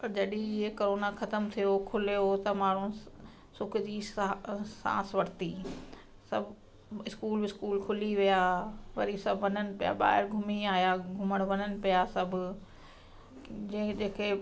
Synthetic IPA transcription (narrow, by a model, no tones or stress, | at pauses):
pɐd͡ʑɐɗĩɪɦekoɾoːnaxɐt̪əmt̪ʰijokʰʊlijot̪ɐmaːɽ̤ũ | sʊkʰd͡ʑiː | sã̰ːsʋɐɾt̪iː | sɐbʱ | ɪskuːlbɪskuːlkʰʊliʋijaːʋɐɾisɐbʱʋɐnənɪ̆pija̰ɓa̰ːɦɪɾɡʱʊmiaːɦjaɡʱʊməɽ̃ʋɐɲənɪ̆pijasɐbʱʊ | d͡ʑẽd͡ʑeːke